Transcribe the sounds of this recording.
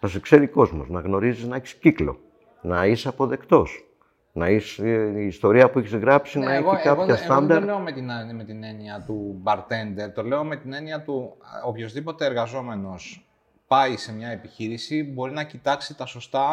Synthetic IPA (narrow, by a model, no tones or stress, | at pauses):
sɐsekse̞ɾiko̞zmo̞̰znɐɣno̞ɾiziznɐeçi̥sciklo̞̰ | nɐisɐpo̞ðe̞kt̪o̞s | nɐisːst̪o̞ɾiɐpueçizɣɾɐpsinɐiɣoekɐɣɐst̪ɐnd̪ɐɾleomet̪inme̞t̪ineniɐt̪ubɐɾt̪e̞nd̪e̞ɾt̪o̞le̞o̞me̞t̪ine̞niɐt̪uopço̞zðipo̞t̪e̞ːɾɣɐzo̞me̞no̞s | pɐise̞mɲɐepiçiɾisibo̞ɾinɐcit̪ɐksit̪ɐso̞st̪ɐ